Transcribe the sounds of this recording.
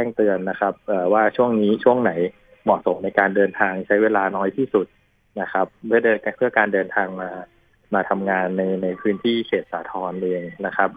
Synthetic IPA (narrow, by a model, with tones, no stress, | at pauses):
t͡ɕɛː˥˩ŋt̪ɯ˧ənːa˦˥kʰa˦˥p̚ʔaː˨˩waː˥˩t͡ɕʰu˥˩əŋniː˦˥t͡ɕʰu˥˩əŋna˩˦j | mɔ˨˩t̪̚so˩˦mna˧jkaː˧ndɤː˧nt̪ʰaː˧ŋt͡ɕʰa˦˥jweː˧laː˧nɔː˦˥jt̪ʰiː˥˩su˨˩t̪̚ | na˦˥kʰa˦˥p̚ːɯ˥˩ɐː˧pʰɯ˥˩ɐkaː˧ndɤː˧nt̪ʰaː˧ŋmaː˧ | maː˧t̪ʰa˧mŋaː˧nːa˧jna˧jpʰɯː˦˥nt̪ʰiː˥˩kʰeː˨˩t̪̚saː˩˦t̪ʰɔː˧nʔeː˧ŋna˦˥kʰa˦˥p̚